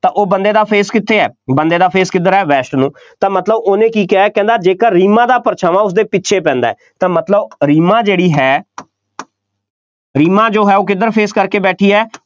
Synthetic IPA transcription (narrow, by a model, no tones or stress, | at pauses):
t̪ãːʔoːbənd̪eːd̪aːpʰeːskɪt̪ʰːeːɛːbənd̪eːd̪aːpʰeːskɪd̪əɾɛːʋɛːsʈnũː | t̪ãːmət̪ləboːnẽːkiːkaːkɛ̃ːnd̪aːd͡ʒeːkəɾɾiːmãːd̪aːpəɾt͡ʃʰaːʋaːʊsd̪eːpɪtːʃʰeːpɛ̃ːnd̪a̰ːɛːt̪ãːmət̪ləbɾiːmãːd͡ʒeːɽiːɦɛː | ɾiːmãːd͡ʒoːɦɛːoːkɪd̪əɾpʰeːskəɾkeːbɛːʈʰiːɛː